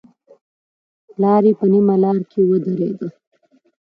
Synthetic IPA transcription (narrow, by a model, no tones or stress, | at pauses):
lɑːɾepənimalɑːɾkʰewəd̪ɐɾḛːd̪ə